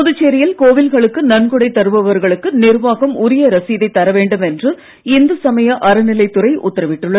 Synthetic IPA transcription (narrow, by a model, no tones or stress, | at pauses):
pɔðɯt͡ʃːeːɾɐɪjɐlkoːʋɪlɣɐɭɯkːɯnɐnɡɯɽɐɪt̪ːɐɾɯʋɐʋɐɾɣɐɭɯkːɯnɪɾʋaːɣɐmʊɾɪjɐɾɐsiðɐɪt̪ːɐɾɐʋeːɳɖɯmɛndrɯ | ɪnd̪ɐsɐmɐjɐʔɐɾɐnɪlɐɪt̪ːʊɾɐɪʔʊ̰t̪ːɐɾɐʋɪʈːɯɭːɐð